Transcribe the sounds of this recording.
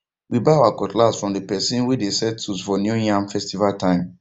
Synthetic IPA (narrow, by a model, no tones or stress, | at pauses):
wibaawakɔtlasfɹɔ̃mdəpɛsĩnwidesɛuzfɔnjujãmfɛstivaltʰãɪ̃m